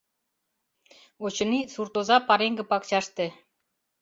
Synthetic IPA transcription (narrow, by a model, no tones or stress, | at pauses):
ot͡ɕɤ̆nisurt̪ozɑpɑɾeŋɡɘ̆pɑkt͡ɕɑʃt̪ĕ